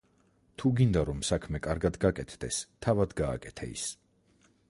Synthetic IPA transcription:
t̪ʰuɡind̪aɾɔmsakʰmɛkʼaɾɡad̪ɡakʼɛt̪ʰd̪ɛst̪ʰavad̪ɡa̰ːkʼɛt̪ʰa̰ḭs

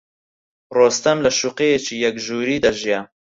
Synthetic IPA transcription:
roːst̪ɐmlɐʃuqejet͡ʃiːjɐkʒuːɾiːd̪ɐʒija

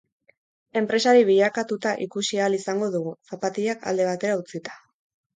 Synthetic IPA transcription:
e̞mpɾe̞saɾiβiʎakat̪ut̪aʔikusialisaŋɡo̞ðuɣusapat̪iakʰa̰ld̪e̞β̞at̪e̞ɾaut͡sit̪ḁ

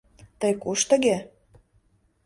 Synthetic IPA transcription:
t̪əjkuʃt̪ə̆ɣe

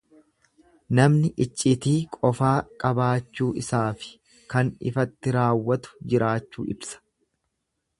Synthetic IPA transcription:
nɐmnɪʔɪt͡ʃʼːɪt̪iːkʼɔfaːkʼɐbaːt͡ʃːuːʔɪsaːfɪ̥ | kɐnɪ̰fɐt̪ːɪɾaːwːɐt̪ʊ̥d͡ʒɪɾaːt͡ʃːṵːʔɪbsɐ̥

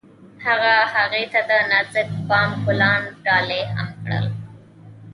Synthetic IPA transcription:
haɣahaɣet̪ad̪ənazɪk̚pɑmkʊlɑnɖɑleha̰mkɽə̰l

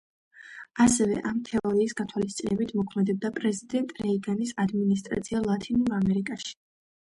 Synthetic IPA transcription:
asɛvɛ̰ʔamt̪ʰɛɔɾiːsɡat̪ʰwalist̪sʼinɛbit̪ʰmɔkʰmɛd̪ɛb̚d̪apʼɾɛzid̪ɛnt̪ʼɾɛiɡanisad̪minis̬t̪ʼɾa̰t̪sʰialˠat̪ʰinuɾamɛɾikʼaʃi̥

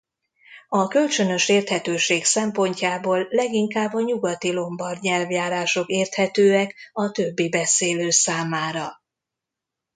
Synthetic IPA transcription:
ɒkø̞lt͡ʃø̞nø̞ʃeːrt̪hɛt̪øːʃeːksɛmpo̞ɲcaːboːlːɛɡiŋkaːbːɒɲuɡɒt̪ilo̞mbɒrd̪ɲɛlvjaːɾaːʃo̞keːrt̪hɛt̪øːɛkɒt̪øbːibɛseːløːsaːmaːɾɒ

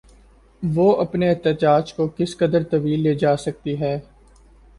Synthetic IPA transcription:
ʋoːɐpneɛɦt̪əd͡ʒaːd͡ʒkokɪskɐd̪əɾt̪ɐʋiːlːeːd͡ʒaːsɐk̚t̪iɦɛː

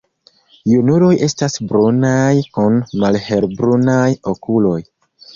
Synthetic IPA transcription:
junulo̞je̞stasbɾunajkunmalhe̞ɾbɾunajo̞kulo̞j

